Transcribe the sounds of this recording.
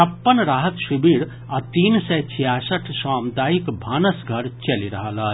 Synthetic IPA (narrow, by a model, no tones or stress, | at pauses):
t͡ʃʰɐpːənɾaːɦət̪ʃibiɽ | at̪iːnsɛt͡ʃʰijasəʈʰsaːmd̪aːikbʱaːnəsɡʱəɾt͡ʃeliɾɐɦəlaː